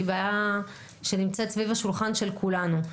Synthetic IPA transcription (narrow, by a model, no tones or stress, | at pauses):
ibaja | ʃenimt͡setsvivaʃulχanʃe̞lkʰulanu